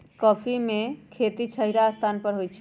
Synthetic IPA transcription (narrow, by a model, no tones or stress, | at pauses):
kɔːpʰimẽkʰet̪it͡ʃʰəɦiɾaːst̪ʰanpəɾɦojt͡ʃʰ